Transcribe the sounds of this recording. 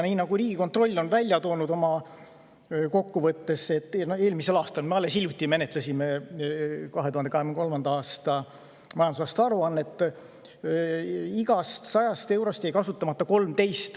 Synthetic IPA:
niːnɑɡ̥uriːɡ̥iko̞nt̪ro̞lʲːonvælʲjɑt̪o̞ːnud̪o̞mɑ | ko̞kːuvɤt̪ːe̞se̞t̪ːˑnoe̞ːlmise̞lɑːst̪ɑlmeɑlːe̞siljut̪ʲːˑime̞ne̞t̪lesime̞ | kɑɦet̪uhɑnd̪eɑheɡmnko̞lmɑnd̪ɑɑːst̪ɑ | mɑjɑnd̪usɑːst̪ɑɾuɑnːe̞t̪ˑː | iɡɑst̪sɑjɑst̪e̞wɾost̪ejkɑsut̪ːˑɑmɑt̪ːɑko̞lmt̪e̞jst̪

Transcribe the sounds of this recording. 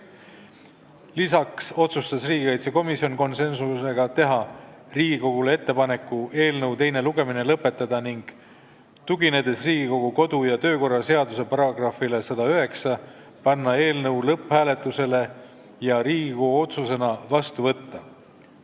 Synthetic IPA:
lisɑkso̞t̪sust̪ɑsriːɡikɑjt̪seko̞misio̞nko̞nse̞nsuse̞ɡ̥ɑt̪e̞ɦɑ | riːɡiko̞ɡ̥ulee̞t̪ːe̞pɑne̞kːˑuʔe̞ːlnɤwt̪e̞jne̞luɡ̥e̞mine̞lɤpːˑe̞t̪ːˑɑd̪̥ɑniŋɡ̥ | t̪uɡine̞d̪̥e̞sriːɡ̥iko̞ɡ̥uko̞d̪̥ujɑt̪ø̞ːko̞rːɑse̞ɑd̪use̞pɑɾɑɡ̥rɑfilesɑd̪̥ɑyɦe̞ksɑ | pɑnːɑe̞ːlnɤwlɤphæːle̞t̪ːˑuse̞le̞ | jɑɾiːɡikoɡuo̞t̪suse̞nɑvɑst̪uvɤt̪ːɑ

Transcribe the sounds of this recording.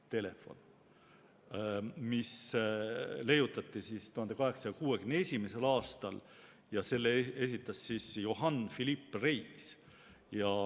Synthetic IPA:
t̪e̞le̞fo̞̰n | mis | le̞jut̪ːˑɑt̪ːˑisist̪uhɑnd̪e̞kɑɦe̞ksɑjɑkuːe̞kymne̞sʲimese̞lɑːst̪ɑl | jɑse̞lːeesit̪ːˑɑsːisjo̞ɦɑnfilipːˑrejks | jɑ

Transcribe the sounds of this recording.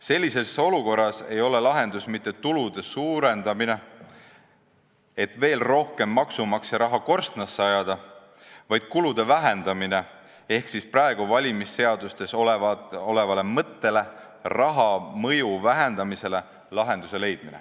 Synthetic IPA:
se̞lʲːise̞so̞luko̞rːɑse̞jo̞le̞lɑɦe̞nd̪̥usmit̪ːe̞t̪ulud̪̥e̞suːɾe̞nd̪ɑmine̞ | e̞t̪ve̞ːlro̞hke̞mːɑksumɑksjɑɾɑɦɑko̞rst̪nɑsːeɑjɑd̪̥ɑ | vɑjd̪̥̚kulud̪̥e̞væɦend̪̥ɑmine̞ | e̞hksisprɑeɡ̥uvɑlʲimisːe̞ɑd̪ust̪e̞soleo̞le̞vɑle̞mɤt̪ːe̞le̞ | rɑɦɑmɤ̞juvæɦe̞nd̪̥ɑmise̞le̞ | lɑɦe̞nd̪̥use̞le̞jd̪̥̚minḛ

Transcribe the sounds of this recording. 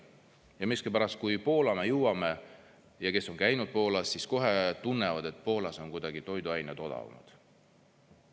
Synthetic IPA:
jɑmiskipæɾɑst̪̚kujpo̞ːlɑmejɨwɑme̞ | jɑke̞so̞nkæjnud̪̥̚po̞ːlɑsːisko̞ɦe̞t̪unːevɑd̪̥e̞t̪̚ːˑpo̞ːlɑso̞nkujd̪̥ɑɡ̥it̪o̞jd̪uɑjnet̪o̞d̪ɑ̰vɑ̰mɑ̰d̪̥

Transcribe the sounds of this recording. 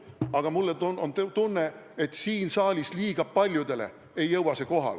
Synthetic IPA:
ɑɡ̥ɑmulːenont̪t̪unːe̞et̪ːˑsiːnsɑːlʲisliːɡ̥ɑb̚pɑlʲjud̪̥e̞le̞̰ | e̞jːɤwɑse̞ko̞ɦɑ̰l

